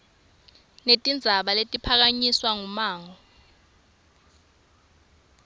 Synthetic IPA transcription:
netʼind͡zʱaɓaletʼipʰak̬aɲiswaŋumaːŋɔ

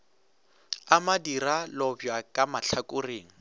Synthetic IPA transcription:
amadiralɔbjakʼamaɬʰakʼʊreːŋ̩

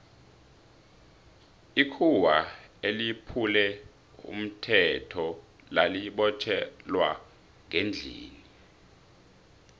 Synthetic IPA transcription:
ikʰuwaelipʰulɛ | ṵm̩tʰɛtʰɔ | laliɓɔt͡ʃʰɛlwa | ŋend͡ɮʱḭːni

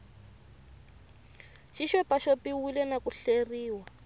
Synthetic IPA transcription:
ʃiʃwɛpaʃopiwilɛnakuɬeriːwa

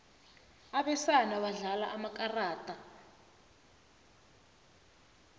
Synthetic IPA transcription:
aɓɛsanawaɮala̰ʔamakʼaraːtʼa

